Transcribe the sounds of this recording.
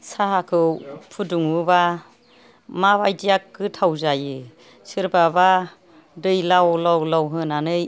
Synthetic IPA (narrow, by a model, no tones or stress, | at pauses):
saɦakʰɯpʰuduŋɯba | maβajdijak̚ːɯtʰawzajɯ | sɯɾbaba | dɯjlawlɔwlɔwɦɯnanɯj